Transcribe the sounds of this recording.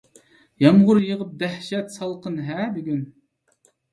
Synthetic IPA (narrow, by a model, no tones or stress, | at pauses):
jɑmʁʊɾjəʁəp̚d̪æhʃɛt̪sɑlˠqʰənɦæbɪɡʲyn